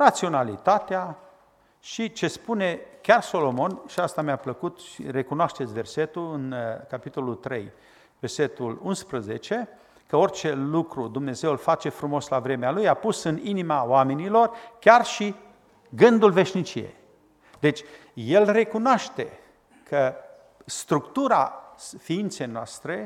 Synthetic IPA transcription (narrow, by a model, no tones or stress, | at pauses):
rat̪sio̞nalit̪at̪ea | ʃit͡ʃe̞spune̞kʲarso̞lo̞mo̞nʃiast̪amʲapləkut̪ʃḭre̞kunoaʃt̪e̞t̪sʲve̞rse̞t̪ulɨnkapit̪o̞lult̪ɾe̞̰j | ve̞rse̞t̪ulunspɾəze̞t͡ʃe̞ | kəo̞rʲt͡ʃe̞lukɾud̪umne̞ze̞wlfat͡ʃe̞fɾumo̞slavɾe̞mealujapusɨninimawamenilo̞rkʲarʃi | ɡɨnd̪ulve̞ʃnit͡ʃije̞̰j | d̪e̞t͡ʃʲ | je̞lre̞kunoaʃt̪e̞ | kʰə | st̪ɾukt̪uɾafiint̪se̞jnoa̰st̪ɾe̞